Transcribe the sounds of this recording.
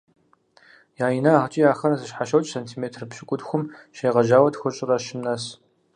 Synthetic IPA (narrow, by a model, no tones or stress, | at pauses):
jaːjinɐːʁət͡ʃʼijaːxɐɾɐzɨʃħaʃɐwt͡ʃʼsɐntʰiːmeːtʰrpɕɪkʷʼʊdxʷʊmʃeːʁɐʒaːwɐtxʷʊɕʼɪrɐʃɪmnɐs